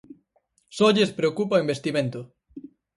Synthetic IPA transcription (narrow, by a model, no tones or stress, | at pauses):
soʎespɾeokupaoimbest̪imẽnt̪ʊ